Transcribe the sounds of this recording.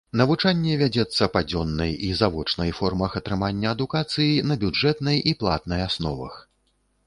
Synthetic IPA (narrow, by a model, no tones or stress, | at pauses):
nɐvut͡ʂanʲːɛvʲad͡zʲɛt̪sːɐpad͡zʲɔnːɐjizavɔt͡ʂnɐjfɔrmɐxɐt̪ɾɨmanʲːɐːd̪ukat̪sɨjinɐbʲud͡ʐɛt̪nɐjiplˠa̰t̪nɐjasnɔ̰vɐ̰x